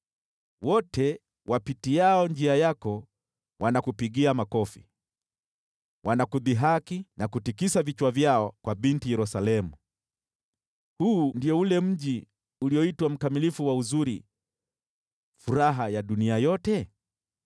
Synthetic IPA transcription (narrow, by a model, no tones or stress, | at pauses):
wɔtʰɛ | wʔapitiaɔnd͡ʒiajakɔ | wanakupiɠiamakɔfi | wʔanakuðiɦakinakutikisavit͡ʃwavjaɔkwaɓintijɛɾusalɛmu | huːndiɔulɛm̩ʄi | uliɔitwam̩kamilifuwauzuɾi | fuɾaɦajaɗuniajɔtɛ